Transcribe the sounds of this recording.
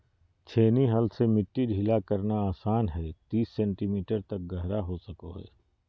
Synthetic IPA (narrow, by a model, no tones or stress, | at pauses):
t͡ʃʰeːniɦɐlsemɪʈːiɖʱiːlakɐɾnaaːsaːnɦɛːt̪iːsːɛ̃ːɳʈimiːʈəɾt̪ɐk̚ɡɐɦɾaɦosɐkoɦɛ̰ː